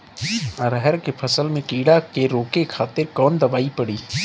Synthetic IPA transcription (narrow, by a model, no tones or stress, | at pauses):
ɾəɦɛɾkepʰɐsəlmẽkiːɽakeɾoːkekʰaːt̪ɪɾkɔːnd̪ɐbaːipɐɽiː